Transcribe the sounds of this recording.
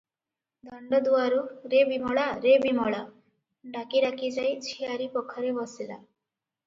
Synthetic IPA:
d̪ʱʌɳɖɔd̪uwaɾuɾebimɔɭaɾebimɔɭa | ɖakiɾakʰid͡ʒajt͡ʃʰiaɾipɔkʰɔɾebʌsila̰

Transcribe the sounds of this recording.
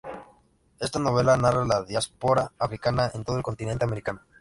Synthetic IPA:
e̞st̪anoβ̞e̞lanaralaðjaspo̞ɾaːfɾikanae̞nt̪o̞ðoelko̞nt̪inent̪eameɾikano

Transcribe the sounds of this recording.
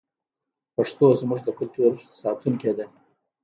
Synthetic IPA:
paʂt̪ozmuʐd̪əkʊlt̪uɾsɑt̪unked̪e

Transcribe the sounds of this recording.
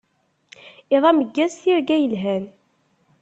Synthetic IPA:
ɪðˤæməɡːæzθiɾɡæjəlɦæn

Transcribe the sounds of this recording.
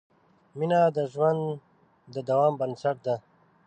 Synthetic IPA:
minad̪əʒwand̪ | d̪əd̪ɐwɑːmbɐnsɐʈ̚d̪a

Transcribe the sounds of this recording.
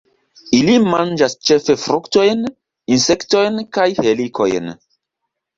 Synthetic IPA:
ilimand͡ʒast͡ʃe̞fe̞fɾukto̞jn | insekto̞jnkajhelikʰo̞̰jn

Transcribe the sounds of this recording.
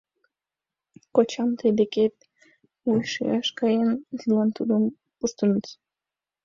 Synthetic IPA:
kot͡ɕɑmt̪ʰəjd̪eket̪̚ | ujʃḭjɑʃkɑjənzlɑnt̪ud̪əm | puʃt̪unət͡s

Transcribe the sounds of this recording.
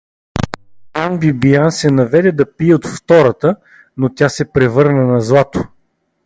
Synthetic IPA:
anbibiansɛnɐvɛd̪ɛd̪ɐpiɛot̪ft̪ɔɾət̪ə | not̪ʲasɛpɾɛvɤɾnənɐzlˠat̪o

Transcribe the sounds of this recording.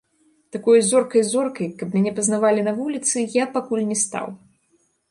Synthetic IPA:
t̪akɔjzɔrkɐjzɔrkɐjkɐpmʲanʲɛpɐznavalʲinɐvulʲit̪sɨjapakulʲnʲɛst̪a̰w

